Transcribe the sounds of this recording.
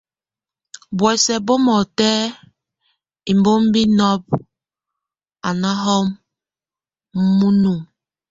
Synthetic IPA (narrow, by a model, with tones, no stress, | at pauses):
bwɛ˨sɛ˨bo˦mɔ˨tɛ˦ | i˨m˨bo˦m˦bi˦nɔ˦p̚ | a˨na˦ɦɔ˦m˦ | mu˦nu˨